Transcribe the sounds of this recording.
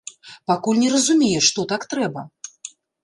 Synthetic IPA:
pakulʲnʲɛɾɐzumʲɛjɛʂt̪ɔt̪akt̪ɾɛbɐ

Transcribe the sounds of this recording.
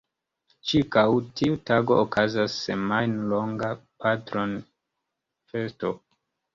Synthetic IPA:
t͡ʃiɾkawtʰiutaɡo̞̰okazasːḛmajnloŋɡapatɾo̞n | fe̞sto

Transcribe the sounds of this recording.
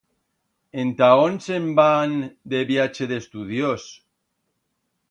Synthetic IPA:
ent̪aonsemband̪eβjat͡ʃeðest̪uð̞jos

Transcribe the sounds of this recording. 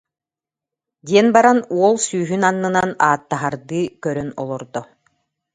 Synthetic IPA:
d̪iɛnbaɾanuɔlˠsyːɦynanːɯnanaːt̪ːaɦaɾd̪ɯːkœɾœnɔlˠɔɾd̪ɔ

